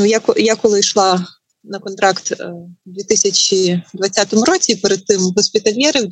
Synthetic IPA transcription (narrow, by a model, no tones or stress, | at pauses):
nujakɔjakɔlˠɪʃlˠɑ | nɐkɔnt̪ɾɑkt̪d̪ʲit̪ɪsʲɐt͡ʃʲid̪ʋɐt͡sʲːat̪ɔmʊɾɔt͡sʲipɛɾed̪̚t̪ɪmɦɔsʲpʲit̪ɐlʲjɛɾɪ